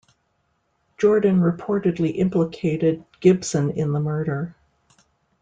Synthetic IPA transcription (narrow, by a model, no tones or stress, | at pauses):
d̥ʒ̥ɔɹdⁿn̩ɹɨpʰɔɹɾɨdˡliʔɪ̃mpləkʰeɪɾɪd̚ɡ̥ɪb̥sɨ̃nɪ̰̃nðəmɜ˞ɾə˞